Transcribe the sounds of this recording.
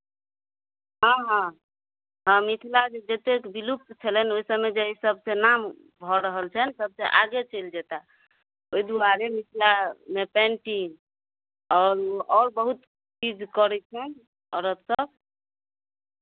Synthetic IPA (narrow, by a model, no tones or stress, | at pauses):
ɦãɦã | ɦãmit̪ʰilad͡ʒed͡ʒet̪ekbilup̚t̪t͡ʃʰelɛnoisəbmed͡ʒeisəb̚senam | bʱɔɾəɦəlt͡ʃʰənsəb̚seʔaɡet͡ʃeld͡ʒet̪a | oid̪uaɾemit̪ʰilamepɛ̃ɳʈi | ɔːɾɔɾbəɦut̪ | t͡ʃid͡ʒkɔɾɛt͡ʃʰɛn | ɔɾət̪səb